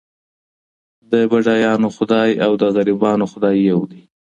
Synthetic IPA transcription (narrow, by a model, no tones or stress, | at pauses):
d̪əbaʐɑjɑnoxʊd̪ɑjawd̪əɣaɾibɑnoxʊd̪ɑjːawd̪i